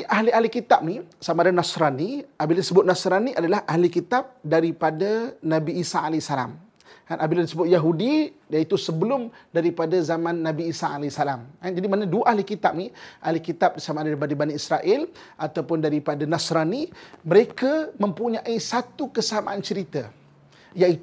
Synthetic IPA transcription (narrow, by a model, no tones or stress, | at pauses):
ʔaɦlialikit̪ap̚nisamaadanasɾaniʔabiladisəbʊt̪̚nasɾaniʔadalahahlikit̪ap̚daɾipadanãbiːsaʔalajsala̰m | kanʔabiladisəbʊt̪̚jaɦudidait̪usəbəlʊmdaɾipadazamãnːãbiːsaʔalajsalamkand͡ʒadimanaduaʔaɦlikit̪ap̚niʔalikit̪ap̚disamadaɾibadabaniisɾaʔɪl | ʔat̪awpʊndaɾipadanasɾaniməɾekamə̃mpuɲãʔisat̪ukəsama̰ʔant͡ʃəɾit̪a | jaʔit̪